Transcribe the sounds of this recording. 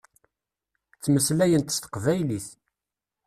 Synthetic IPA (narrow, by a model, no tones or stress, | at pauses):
t͡sːməslæjənt̪st̪ə̥qvæjliθ